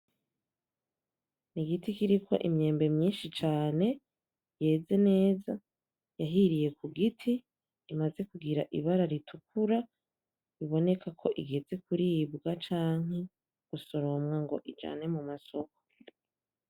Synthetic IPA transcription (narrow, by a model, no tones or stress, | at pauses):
niɡitikiɾikʰo̞̰ʔimɲe̞ːmbe̞mɲiːnʃit͡ʃaːne̞ | je̞ːze̞ne̞ːza | jaɦiɾije̞kuɡitʰiː | maze̞kuɡiɾaʔiβaɾaɾitʰukuɾa | iβo̞ne̞kʰakʰo̞ʔiɡe̞ze̞kuɾiːbɡat͡ʃaːŋ̥e̞ | ɡ̥uso̞ɾo̞mŋaŋɡo̞̰ʔid͡ʒa̰ːne̞mumaso̞ko̥